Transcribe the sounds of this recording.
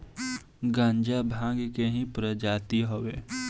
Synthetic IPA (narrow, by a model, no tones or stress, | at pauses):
ɡãːɲd͡ʒabʱãːŋɡkeɦĩpɾəd͡ʒaːt̪iɦoʋeː